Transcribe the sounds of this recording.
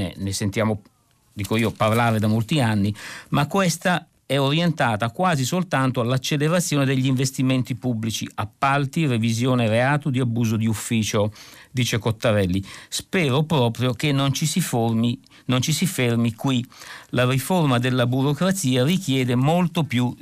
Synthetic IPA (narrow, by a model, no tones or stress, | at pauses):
ḛnesent̪jaːmo | d̪iːkoiːopaɾlaːɾed̪amolt̪ianːimakːwest̪a | ɛoɾjent̪aːt̪akwaːzisolt̪ant̪oalːat͡ʃːeleɾat̪sːjoːned̪eʎːiɱvest̪iment̪ipubːlit͡ʃḭapːalt̪irevizjoːneɾeaːt̪od̪iabːuːzod̪iufːiːt͡ʃod̪iːt͡ʃekot̪ːaɾɛlːispɛːɾopɾɔːpɾjok̟enːont͡ʃisiformi | nont͡ʃisifermikwilariformad̪elːabuɾokɾat̪siːarikjɛːd̪emolt̪opju